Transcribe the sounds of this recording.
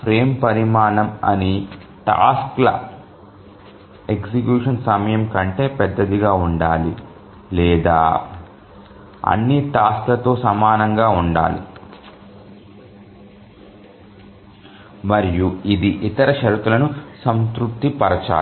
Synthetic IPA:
pɾe̞ːmpɐɾimaːnɐmɐ̰ni | ʈa̰ːsklɐ̰ | eksikjuːʂɐnsɐmɐjɐmkɐɳʈe̞ːpɛd̪ːɐd̪iɡaːuɳɖaːlḭ | lɛːd̪a̰ː | ɐ̰nːiʈaːsklɐt̪o̞ːsɐmaːnɐŋɡaːuɳɖa̰ːlḭ | mɐɾijuid̪iʔit̪ɐɾɐʃɐɾut̪ulɐnusɐnskɾupt̪ipɐɾɐt͡ʃa̰ː

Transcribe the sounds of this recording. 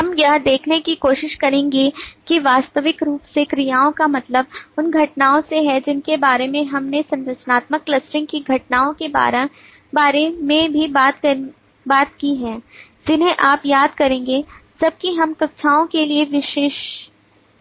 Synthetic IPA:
ɦɐmjɐɦd̪eːkʰnekikoːʃɪʃkɐɾẽːŋɡekiʋaːst̪əʋɪkɾuːpsekɾijaːõkamɐt̪ləbʊnɡʱɐʈnaːõseɦɛd͡ʒɪnkebaːɾemẽɦɐmnesɐ̃nɾəʃənaːt̪məkːlɐsʈɪ̃ŋɡkiɡʱɐʈnaːõkeba̰ːɾe | baːɾemẽbʱibaːt̪ɐ | baːt̪̚kiɦɛ̃ːd͡ʒɪnɦẽʔaːpjaːd̪̚kɐɾẽːŋɡed͡ʒɐb̚kiɦɐmkɐk̚t͡ʃʰaːõkelieʋɪʃeːʃ

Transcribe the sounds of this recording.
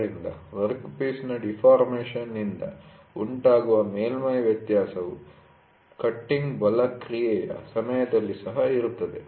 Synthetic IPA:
inlɐ̰ʋɐɾkpiːsnɐɖipʰaːɾmeːʂɐnːind̪ɐ̰ | uɳʈaːɡuʋɐmeːlmɐjʋjɐt̪jaːsɐʋu | kɐʈːiŋɡbɐlɐkɾijɛːjɐ̰sɐmɐjɐd̪ɐlːisɐɦɐiɾut̪ːɐd̪e

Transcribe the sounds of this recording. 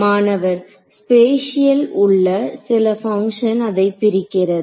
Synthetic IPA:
maːnɐʋɐɾ | speːʂɪjɐlʊɭːɐsɪlɐfɐŋkʂɐnɐðɐɪpːɪɾɪkːɪrɐðɯ

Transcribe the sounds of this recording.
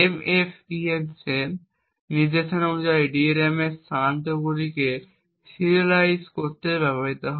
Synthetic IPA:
emefiensen | nid͡ʑeʃenonud͡ʑajɖieɾemest̪aant̪oɡuɾike | siɾiolajskoɾt̪ebɛboɦit̪oɦɔ

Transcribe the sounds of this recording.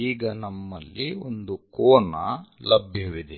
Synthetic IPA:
iːɡɐnɐmːɐlːiond̪ukoːnɐlɐbʱjɐʋid̪e

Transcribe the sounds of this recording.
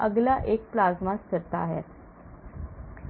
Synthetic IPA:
əɡlaʔek̚plazmaskəɾt̪aːɦa̰t̪

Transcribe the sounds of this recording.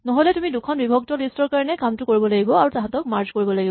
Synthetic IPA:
nɔɦojlɛtumidukʰɔnbibʱɔk̚tɔlistɔɹkaɹɔnɛkamtʊkoɹibɔlaɡibɔaɹutaɦãtɔk̚maɹd͡ʒkoɹibɔlaɡib

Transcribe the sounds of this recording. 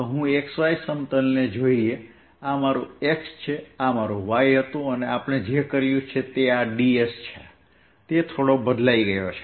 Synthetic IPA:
ɦũeksʋaisəmt̪əlned͡ʒoie | amaɾũekst͡ʃʰeamaɾũʋajɦət̪ũəneapɳ̃ed͡ʒekəɾjũt͡ʃʰet̪eaɖiest͡ʃʰe | t̪et̪ʰoɽobəd̪laiɡəjot͡ʃʰe̥

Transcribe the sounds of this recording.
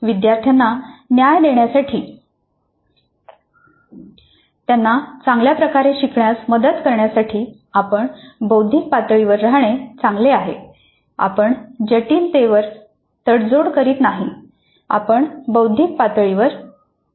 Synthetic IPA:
ʋid̪jaɾt̪ʰjanːanjajd̪eɳjasaʈʰiː | t̪janːat͡sãŋɡljapɾəkaɾeɕikɳjasməd̪ət̪kəɾɳjasaʈʰiː | apəɳbəwd̪ʱik̚pat̪ɭiʋəɾːaɦɳ̃et͡sãŋɡleaɦḛ | a̰pəɳd͡ʑəʈiːnt̪eʋəɾ | t̪əɽd͡zoɽkəɾiːt̪naɦi | a̰pəɳbəwd̪ʱik̚pat̪əɭiʋəɾ

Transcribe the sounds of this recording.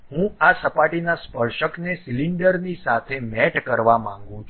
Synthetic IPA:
ɦũasəpaʈinaspəɾʃəknesiliɳɖəɾnisat̪ʰemɛʈkəɾʋamãŋɡũt͡ʃʰ

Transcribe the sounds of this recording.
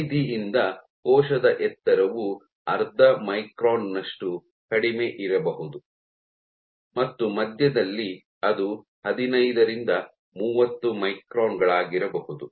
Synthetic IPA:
d̪ʱiʔind̪ɐ | kɔːʂɐd̪ɐʔɛt̪ːɐɾɐʋu | ɐɾd̪ʱɐmɐjkɾoːnːɐʂʈu | kɐɽime̞ʔiɾɐbɐɦud̪u | mɐt̪ːumɐd̪ʱjɐd̪ɐlːi | ɐd̪u | hɐd̪inɐjd̪ɐɾind̪ɐ | muːʋɐt̪ːumɐjkɾoːnɡɐɭaːɡiɾɐbɐhud̪u

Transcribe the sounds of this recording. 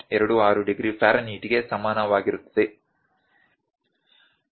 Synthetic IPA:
ɛɾɐɽuaːɾuɖiɡɾipaːɾɐniːʈiɡe̞sɐmaːnɐʋaːɡiɾut̪ːɐd̪e

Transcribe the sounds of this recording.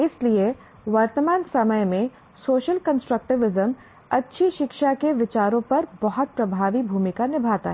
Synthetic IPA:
ɪslie | ʋəɾt̪əmaːnsɐməjmẽ | soːʃəlkɐ̃nsʈɾək̚ʈɪʋɪzəm | ɐtːʃʰiʃɪkʃakeʋɪt͡ʃaːɾõpɐɾbɐɦɔt̪̚pɾɐbʱaːʋibʱuːmɪkanɪbʱaːt̪a̰ɦɛ

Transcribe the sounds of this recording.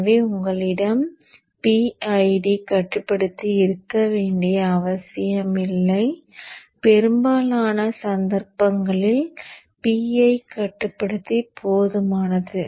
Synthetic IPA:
ʋeːʊŋɡɐɭɪɽɐm | piɐɪɖikɐʈːɯpːɐɽɯt̪ːiɪɾɯkːɐʋeːɳɖɪjɐːʋɐsɪjɐmɪlːɐɪpɛɾɯmbaːlaːnɐsɐnd̪ɐɾpɐŋɡɐɭɪl | piɐɪkɐʈːɯpːɐɽɯt̪ːipʰoːðɯmaːnɐðɯ

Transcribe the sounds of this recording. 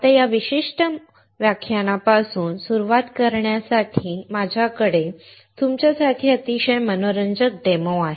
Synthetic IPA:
t̪ejaʋiɕiʂʈə | ʋjakʰjaɽ̃apasuːnsuɾuʋat̪kəɾɳjasaʈʰiːmad͡ʑʱjakəɽe | t̪umt͡ɕjasaʈʰiːət̪iɕəjmənoɾəɲd͡ʑək̚d̪eməaɦe

